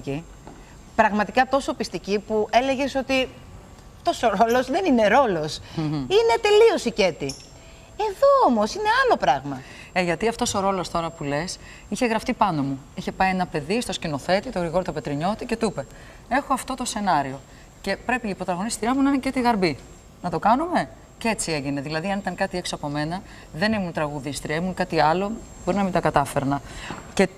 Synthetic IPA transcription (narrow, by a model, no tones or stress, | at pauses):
ci | pɾɐɣmɐt̪ikɐt̪o̞sopist̪icipuʔe̞le̞ʝe̞so̞t̪i | ɐft̪o̞so̞ɾo̞lo̞zðe̞nine̞ɾo̞lo̞sine̞t̪e̞lio̞sice̞t̪i | e̞ðoomo̞sine̞ɐlo̞pɾɐɣmɐ | eʝɐt̪iɐft̪o̞so̞ɾo̞lo̞st̪o̞ɾɐpule̞s | içe̞ɣɾɐft̪ipɐno̞muiçe̞pɐienɐpe̞ðist̪o̞scino̞θe̞t̪it̪oɣɾiɣoɾot̪ope̞t̪ɾiɲo̞t̪ice̞t̪upe̞ | e̞xo̞ɐft̪o̞t̪o̞se̞nɐɾio̞ | ce̞pɾe̞piːpɾo̞t̪ɐɣo̞nist̪iɾiɐmunɐinecet̪iɣɐɾbi | nɐt̪o̞kɐnume̞ | ce̞t͡sieʝine̞ðilɐðiɐnit̪ɐŋkɐt̪ie̞ksoɐpo̞me̞nɐ | ðe̞nimunt̪ɾɐɣuðist̪iɾiemunkɐt̪iɐlo̞ | bo̞ɾinɐmit̪ɐkɐt̪ɐfe̞ɾnɐce̞